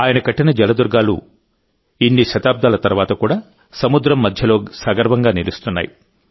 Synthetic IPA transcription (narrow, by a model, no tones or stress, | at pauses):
aːjɐnɐkɐʈːinɐd͡ʒɐlɐd̪uɾɡaːlṵ | inːiʃɐt̪aːb̚d̪aːlɐt̪ɐɾuʋaːt̪ɐkuːɽaː | sɐmud̪ɾɐmːɐd̪ʱjɐlo̞ːsaːɡɐɾʋɐŋɡaːnilust̪unːa̰ːji